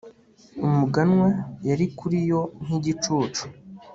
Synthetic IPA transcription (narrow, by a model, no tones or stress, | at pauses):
umuɡanwajaɾikuɾijo̞ŋ̥iɟit͡ʃuːt͡ʃu̥